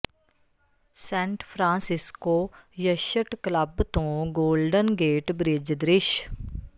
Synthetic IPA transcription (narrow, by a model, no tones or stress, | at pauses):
sɛ̃ːɳʈpʰɾãːsɪskoːjəʃəʈkləbt̪õːɡoːlɖənɡeːʈbɾɪd͡ʒd̪ɾɪʃ